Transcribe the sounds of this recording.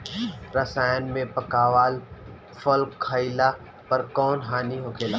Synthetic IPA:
ɾɐsaːjənmẽpɐkaːʋaːl | fɐlkkʰːəila | pɐɾkɔːnɦaːniɦoːkʰeːla

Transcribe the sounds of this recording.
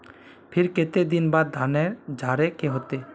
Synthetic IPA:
pʰiɾket̪ed̪inbad̪̚d̪ʱaneɾd͡ʒʱaɾekeɦot̪e

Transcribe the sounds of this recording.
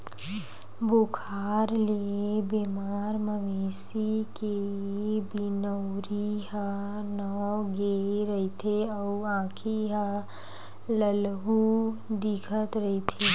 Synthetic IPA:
bukʰaːɾliebemaːɾməmeːsike | binəʊɾiɦənɔɡeɾəɦit̪ʰeəuãːkʰiɦə | ləlɦud̪ikʰət̪ɾəɦit̪ʰe

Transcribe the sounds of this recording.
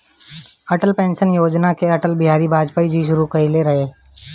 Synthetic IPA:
ɐʈəlpẽːnʃənjoːd͡ʒnakeɐʈəlbɪɦaːɾibʱaːd͡ʒpaːid͡ʒʱiʃʊɾukɐileɾɐɦeː

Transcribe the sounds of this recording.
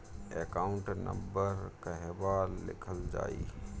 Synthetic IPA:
ekaːʊɳʈnə̰mbəɾkəɦɛbalːɪ̰kʰəld͡ʒa̰ːḭ

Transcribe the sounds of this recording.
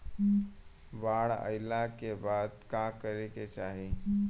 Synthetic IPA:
baɽə̰ɪlakebad̪kãkəɾeket͡ʃaɦi

